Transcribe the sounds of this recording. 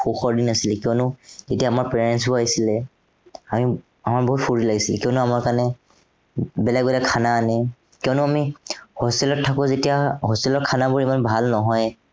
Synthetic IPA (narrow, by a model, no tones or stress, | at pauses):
xuxɔɹdinasilɛkiɔnʊzetiaːmaɹpɹɛnnɛns̬bʊaɦisilɛ | ami | amaɹboɦut̚puɹilaɡisilɛkiɔnʊamaɹkanɛ | bɛlɛɡbɛlɛkʰanaːnɛ | kiɔnʊamihostɛlɔtʰːakʊ̃zetijaɦostɛlɔt̚kʰanabʊɹimanbʱalnɔɦɔj